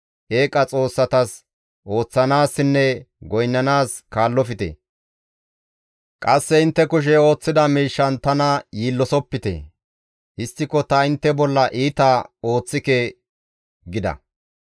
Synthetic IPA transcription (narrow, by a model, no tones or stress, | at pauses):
ʔeːkʼɐt͡sʼo̞ːsːɐt̪ɐs | ʔo̞ːt͡sːɐnaːsɪnːɛ | ɡɔjnːɐnaːskaːlːɔfɪt̪ɛ̰ | kʼɐsːɛɪnt̪ːɛkʊʃ̬ɛo̞ːt͡sːɪd̪ɐmiːʃːɐnt̪ɐnɐjiːlːɔsɔpːɪt̪ɛ̰ | hɪst̪ːɪkɔt̪ɐɪnt̪ːɛbɔlːɐʔiːt̪ɐo̞ːt͡sːɪke | ɡɪd̪ɐ̰